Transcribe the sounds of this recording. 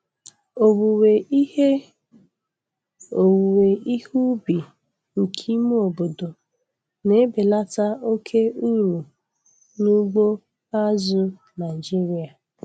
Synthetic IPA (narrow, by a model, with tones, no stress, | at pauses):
o˨wu˨we˨i˦he˦ | o˨wu˨we˨i˦hu˦bi˨ | ŋ̩˨kʰi˦mu˦o˨bo˨do˨ | ne˦be˨la˦ta˦o˦kʰe˦u˦ɾu˨ | nu˦ɡ͡bo˦ | a˦zʊ˦ | na˨ɪ˨d͡ʒi˦ɾi˨a˨